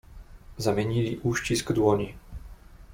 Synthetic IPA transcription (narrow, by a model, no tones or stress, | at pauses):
zamʲɛɲiliʔuːʃcisɡd̪wɔɲi